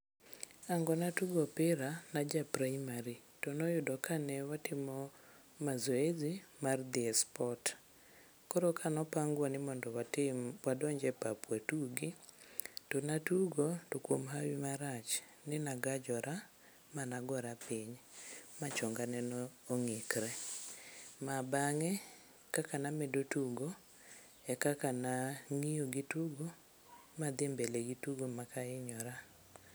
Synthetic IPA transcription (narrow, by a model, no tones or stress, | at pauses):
aŋɡɔnatuɡɔpɪɾanad͡ʒapɾaimaɾi | tonɔjʊdɔkanɛwatɪmɔ | mazɔezimard̪iɛspɔt | kɔɾokʰanɔpaŋɡwɔnɪmɔndɔwadɔɲd͡ʒɛpapwatuɡi | tonatuɡɔtokwomɦawimaɾat͡ʃ | nɪnaɡad͡ʒɔɾʔa | manaɡɔɾapɪɲmat͡ʃɔŋɡanɛnɔːŋɪkɾɛ | mabaŋɛ | kakanamɛdotuɡo | ɛkakanaŋijoɡɪtuɡo | mad̪ɪmbeleɡituɡomakaɪɲɔɾa